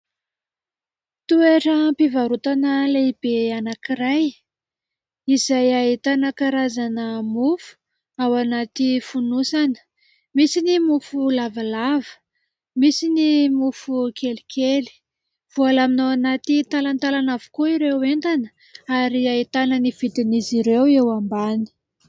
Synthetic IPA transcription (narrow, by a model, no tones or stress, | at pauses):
t̪ueʈ͡ʂəmpivaɾut̪anəleib̥eanakiɾaj | izajaɦit̪anakaɾazanəmufu̥ | awanat̪ifunusanə̥ | misinimufulavalavə̥ | misinimufukʰelikʰʲeli̥ | v̥ualaminaanat̪it̪alant̪alanavu̥kuiɾewent̪anə̥ | aɾiait̪anəniv̥id̪iniziɾewewambani̥